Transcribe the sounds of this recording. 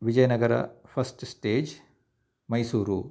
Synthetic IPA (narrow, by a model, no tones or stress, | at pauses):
ʋid͡ʒɐjɐnɐɡɐɾɐ̰pʰɐsʈsʈeːd͡ʒ | mɐjsuːɾu